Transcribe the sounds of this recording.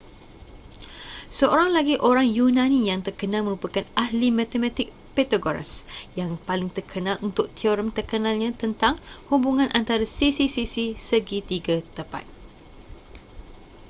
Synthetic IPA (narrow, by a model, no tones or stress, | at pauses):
səoɾaŋlaɡiʔoɾaŋjunãnijaŋt̪ərkənalmə̃ɾupakanahlimãt̪əmãt̪ɪk̚pet̪aɡoɾa̰sjaŋpalɪŋt̪ərkʰənalʔunt̪ʊk̚t̪ʰioɾəmt̪ərkənalɲãt̪ənt̪aŋhubuŋãnʔant̪aɾasisisisisəɡit̪iɡat̪əpa̰t̪̚